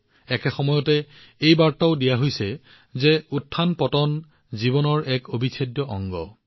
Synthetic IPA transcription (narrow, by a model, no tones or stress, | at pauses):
ɛkɛxɔmɔjɔtɛ | ejbaɹtaʊdijaɦojsɛ | zɛutʰːanpɔtɔn | zibɔnɔɹɛkobʱisʰadjɔʔɔ̰ŋɡɔ̰